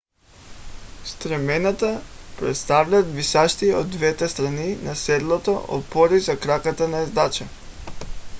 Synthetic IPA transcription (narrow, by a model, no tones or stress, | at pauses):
st̪ɾɛmɛnat̪apɾɛ̰t̪st̪avʎad̪visaʃt̪iod̪ːvɛt̪ɛst̪ɾaninasɛd̪lˠɔt̪ɔʔɔ̰pɔɾizakɾakat̪anaɛzd̪at͡ʃa